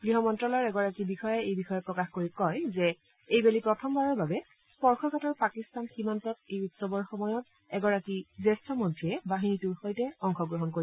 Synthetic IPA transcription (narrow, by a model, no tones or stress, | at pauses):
ɡɹiɦɔmɔntɹɔlɔɹɛɡɔɹakibixɔjɛejbixɔjɛpɹɔkaxkoɹikɔjzɛ | ejbelipɹɔtʰɔmbaɹɔɹbabɛ | spɔɹxʰɔkatɔɹpakistanximantɔtejutsɔbɔɹxɔmɔjɔt | ɛɡɔɹakizestʰɔmɔntʰɹiɛbaɦinitʊɹxojtɛɔŋxɔɡɹɔɦɔnkoɹi